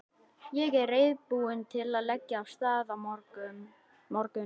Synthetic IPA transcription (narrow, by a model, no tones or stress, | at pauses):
jɛɣɛrejðpuʏnt̪ʰɪlaðlɛcːaːwst̪aːðamɔɾkʏ | mɔɾcʏ